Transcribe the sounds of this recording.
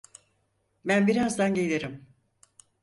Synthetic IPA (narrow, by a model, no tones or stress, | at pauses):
bænbiɾazd̪anɟe̞lʲeɾim